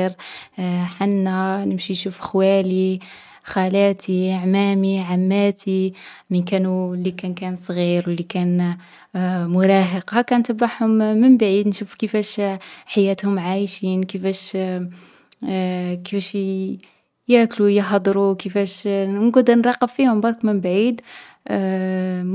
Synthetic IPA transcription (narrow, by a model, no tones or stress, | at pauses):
ɾ | ħanːænəmʃinʃufxwæli | xælæt̪ʰiaʕmæmiʕamːæt̪ʰimənkænulːikænkænsˤɣiɾwəlːikæn | mʊɾˤɑːɦəqhækænt̪əbaħhʊmːənbaʕiːd̪nʃufkəfæʃħajæt̪hʊmʕajʃiːnkəfæʃ | kəfæʃ | jæʔklujəħɑd̪ˤɾukəfæʃnɡud̪nɾˤɑqːəffihʊmbɑɾˤkmənbʕiːd̪